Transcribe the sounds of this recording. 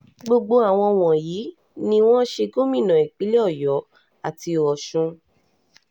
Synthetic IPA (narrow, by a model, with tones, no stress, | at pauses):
ɡ͡bo˧ɡ͡bo˦a˨w̃ɔ̃˧w̃ɔ̃˨ji˨˦ | nĩ˧w̃ɔ̃˦ʃe˧ɡo˦mĩ˦˨nã˨i˨k͡pi˨˦le˦ɔ˦˨jɔ˨˦ | a˨ti˧˨ɔ˨ʃũ˧